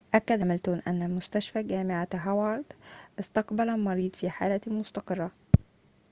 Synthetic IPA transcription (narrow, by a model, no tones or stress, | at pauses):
ʔækːæd̪æmɪlt̪unʔænːæmʊst̪æʃfæːɡæːmɪʕaɦawɑɾˤd̪ʔɪst̪ɑqbælæmɑɾiːd̪ˤfiːħa̰ːlæmʊst̪ɑqɨrˤːɑ